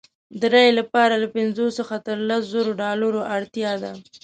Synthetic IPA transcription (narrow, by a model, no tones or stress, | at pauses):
d̪əɾajlapɑɾalapɪnzosəxat̪əɾlaszoɾoɖɑlaɾoʔaɽt̪jɑd̪a̰